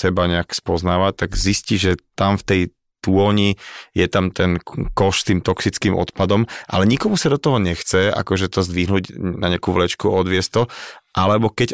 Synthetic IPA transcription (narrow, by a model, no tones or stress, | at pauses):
sɛbaɲɛakspɔznaːʋat̪aɡzisciʒɛt̪amft̪ɛj | t̪uɔɲijɛt̪amt̪ɛnkɔʃst̪iːmt̪ɔksit͡skimʔɔ̰t̪pad̪ɔmʔa̰lɛɲikɔmusad̪ɔt̪ɔɦɔɲɛxt͡sɛa̰kɔʒɛt̪ɔzd̪ʋiɦnuɟnaɲɪakuʋlɛt͡ʃkuʔɔd̪ʋɪɛst̪ɔʔalɛbɔkɛɟ